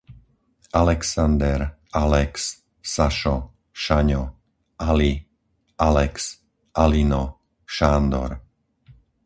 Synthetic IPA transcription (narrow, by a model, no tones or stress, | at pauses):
alɛksand̪ɛɾalɛksː | aʃɔ | ʃaɲɔ | ali | alɛks | ʔalinɔ | ʃaːnd̪ɔ̰ɾ